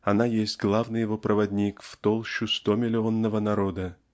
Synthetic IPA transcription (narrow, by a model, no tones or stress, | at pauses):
anajesʲtʲɡlˠavnɨjɪvo̞pɾʔəvɐdʲnʲikft̪olˠɕʊst̪omʲɪlʲɪo̞nːəvənaɾo̞d̪ə